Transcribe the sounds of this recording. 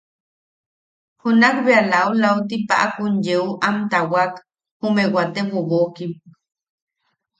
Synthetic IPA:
hunakbealaulaut̪ipa̰ʔakunjeuʔamt̪awak | humewat̪ewoβokim

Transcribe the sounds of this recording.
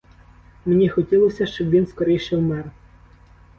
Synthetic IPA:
mnʲixɔtʲilˠɔsʲɐʃt͡ʃɔbʋʲinskɔɾʲɛjʃɛwmɛr

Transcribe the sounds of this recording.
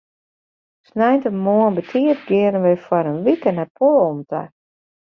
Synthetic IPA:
snɛjntənmoənbətʰiətɡɪəɾənʋɛjfwɔɾənʋikənapʰolomtə̰

